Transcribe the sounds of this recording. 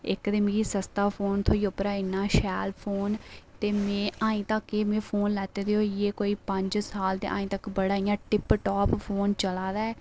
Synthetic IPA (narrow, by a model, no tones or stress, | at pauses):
ɪ̰kd̪ɪmɡiːsəst̪aːpʰoːnt̪ʰoːiːopɾaːɪnːaːʃɛːlpʰoːnt̪eːmẽːaːĩːt̪əkːeːmẽːpʰoːnlɛːt̪eːd̪eːɦoieːkoːiːpəɲd͡ʒsaːlt̪ḛːʔa̰ːĩːt̪əkbəɽaːĩːãːʈɪpʈɔːppʰoːnt͡ʃəlaːd̪aːɛː